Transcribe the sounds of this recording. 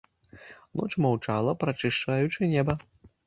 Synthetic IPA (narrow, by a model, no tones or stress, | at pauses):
nɔt͡ʂmawt͡ʂalˠɐpɾɐt͡ʂɨʂt͡ʂajut͡ʂɨnʲɛbɐ